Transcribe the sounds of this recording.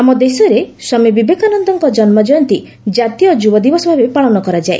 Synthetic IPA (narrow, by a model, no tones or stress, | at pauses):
amɔd̪esɔɾesɔmibibekʰɔanɔnd̪ɔŋkɔd͡ʒɔnmɔd͡ʒɔjɔnt̪i | d͡ʒat̪ijɔd͡ʒubɔd̪ibɔsɔbʱabepaɭɔnɔkɔɾad͡ʒae